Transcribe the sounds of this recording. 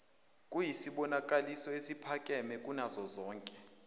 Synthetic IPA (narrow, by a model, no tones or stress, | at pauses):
kʼujisiɓɔnakʼalisɔesipʰakʼɛmɛkʼunazɔzɔːŋkʼɛ